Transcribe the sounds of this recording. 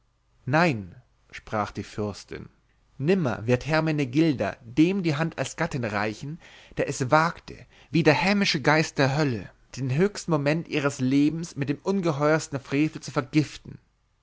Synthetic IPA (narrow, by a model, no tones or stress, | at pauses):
naɪn | ʃpʁ̥aːχd̥iːfʏɐstɪ̰n | nɪmɐ̰vɪɐthɛɐmeneɡɪldɐ̰deːmdiːɦantalsɡ̥atɪnʁa̰ɪçn̩d̥eːɐʔɛsvaːktʰə̰ | viːdeːɐhɛːmɪʃəɡaɪst̚d̥eːɐɦœlə̰ | d̥eːnɦøːçstn̩momɛntʔiːʁ̞əsleːbm̩smɪt̚d̥eːmʔʊnɡəɦɔʏɐstn̩fʁ̥eːfl̩t͡sufɛɐɡɪftn̩